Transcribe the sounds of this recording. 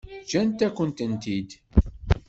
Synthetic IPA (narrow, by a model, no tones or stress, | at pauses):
t͡ʃːænt̪ækʷːənt̪ənt̪id̪